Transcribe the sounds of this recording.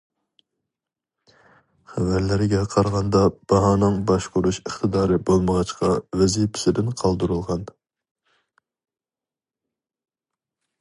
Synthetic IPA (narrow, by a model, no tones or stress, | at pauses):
χævæɾlɪɾɪɡʲɛqʰɑɾʁɑnd̪ɑb̥ɑɦɑːnɨŋbɑʃqʰʊɾuʃəχt̪ʰɨd̪ɑːɾɨbolˠməʁɑt͡ʃqʰɑvɛzipʰɪ̥sɪd̪ɪnqʰɑlˠd̪uɾulˠʁɑn